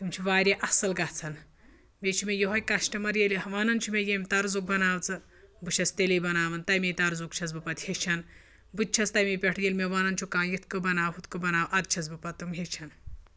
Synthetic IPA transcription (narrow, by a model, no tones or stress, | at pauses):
t̪umt͡ʃʰiʋaːɾʲeʔɐsɐlɡɐt͡sʰɐn | met͡ʃʰimejeɦojkɐʃʈɐmɐɾjeliɦɐʋaːnɐnt͡ʃʰumejemʲt̪ɐɾzuk̚bɐnaːwt͡sɨ | bɨʃɐst̪elibɐnaːʋɐnt̪ɐjmʲejt̪ɐɾzukt͡ʃʰɐt͡sbɨpɐt̪het͡ʃʰɐn | bɨt̪̚t͡ʃʰɐt͡st̪ɐjmepʲeʈʰjelʲmʲeʋaːnɐnt͡ʃʰukãːjit̪ʰkɨbɐnaːwɦut̪kɨbɐnaːwʔɐd̪̚t͡ʃʰɐt͡sbɨpɐt̪̚ːumɦet͡ʃʰɐn